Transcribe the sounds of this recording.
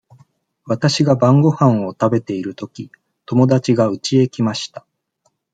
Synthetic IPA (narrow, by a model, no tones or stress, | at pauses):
βat̪aɕiɡabãŋɡo̞hãɰ̃o̞t̪abe̞t̪e̞iɾɯ̟t̪o̞kʲi | t̪o̞mo̞d̪at͡ɕiɡaɯ̟t͡ɕie̞kʲimaɕi̥t̪ḁ